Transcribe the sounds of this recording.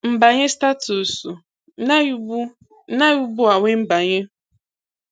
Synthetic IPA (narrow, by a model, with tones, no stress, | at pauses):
m̩˨ba˨ɲe˦sta˦tu˨su˨ | na˦u˦ | na˦ju˦bu˦a˨ŋʷe˦m̩˦ba˨ɲe˦